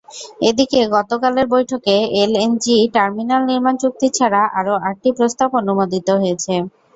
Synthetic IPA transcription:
ed̪ikeɡɔt̪okaleɾbojʈʰokeelend͡ʑiʈaɾminalniɾmant͡ɕuk̚t̪it͡ɕʰaɾaʔaɾoʔaɾ̚ʈipɾost̪abonumod̪it̪oɦojet͡ɕʰe

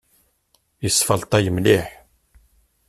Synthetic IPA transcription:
isfəlt̪ˤɑjəmliħ

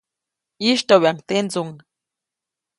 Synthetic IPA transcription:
iʃt̪awaŋt̪end͡zuŋ

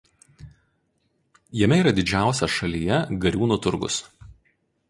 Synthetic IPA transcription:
jɛmʲɛiːˑɾɐd̪ʲɪd͡ʒʲæˑʊsʲɛʃɐlʲiːjɛɡɐɾʲuːnut̪ʊɾɡʊ̰s

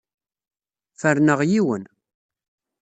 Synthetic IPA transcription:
fəɾnəʁjiwən

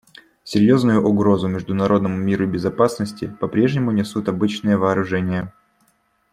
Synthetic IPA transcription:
sʲɪɾʲjo̞znʊjʊʔʊɡɾo̞zʊmʲɪʐd̪ʊnɐɾʔo̞d̪nəmʊmʲiɾʊbʲɪzɐpasnəsʲtʲɪpɐpɾʲe̞ʐnʲɪmʊnʲɪsut̪ɐbɨt͡ɕnɨjəvəːɾʊʐɛnʲɪjə

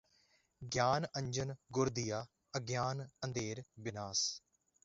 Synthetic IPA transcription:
ɡjaːnə̃ɲd͡ʒənɡʊɾd̪ɪjaː | əɡjaːnə̃nd̪eːɾbɪnaːs

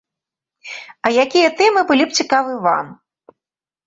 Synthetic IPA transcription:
ɐjakʲijɐt̪ɛmɨbɨlʲip̚t͡sʲikavɨva̰m

